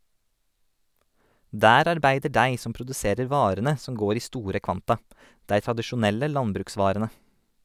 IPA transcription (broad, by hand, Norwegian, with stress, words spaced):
ˈdæːɾ ɑɾˈbæɪdə ˈɖæɪ ˈsɔm pɾʊdʉˈseːɾəɾ ˈʋɑːɾənə ˈsɔm ˈɡoːɾ ˈiː ˈstuːɾə ˈkʋɑntɑ ˈdæɪ tɾɑdəʃʊˈnɛlə ˈlɑnbɾʉːkˌsʋɑːɾənə